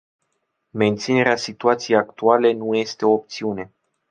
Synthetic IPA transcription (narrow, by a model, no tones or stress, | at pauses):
me̞nt̪sine̞ɾeasit̪uat̪sijejakt̪uale̞nuje̞st̪e̞o̞ːpt̪siune̞